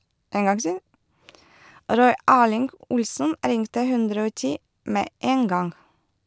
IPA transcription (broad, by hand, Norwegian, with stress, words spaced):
ˈɾɔʏ ˈæːlɪŋɡ ˈʊlsən ˈɾɪŋtə ˈhʉndɾə ˈoː ˈtiː ˈmeː ˈeːn ˈɡɑŋ